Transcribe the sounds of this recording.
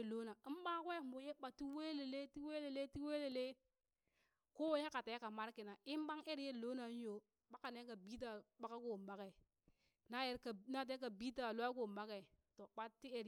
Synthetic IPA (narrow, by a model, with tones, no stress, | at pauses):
lo˦na˨i˦m˦ba˦kwe˦mo˨˦je˦ɓa˨ti˦we˦le˨le˦ti˦we˦le˨le˦ti˦we˦le˨le˦ | ko˦wo˦je˦ka˨te˨˦ka˨ma˦ɾki˨na˨i˦m˦ba˦ŋe˦ɾje˦˨lo˦na˨˦n˦jo˨ | ɓa˦ka˨ne˦ka˨bi˦t̬a˦˨ɓa˦ka˦ko˦˨m˨ba˨ke˨ | na˦je˦ɾka˨na˦t̬e˦k̬a˨bi˦ta˨lo˦a˦k̬o˦˨m˨ba˦ke˨to˨ɓa˦tːi˦e˦ɾ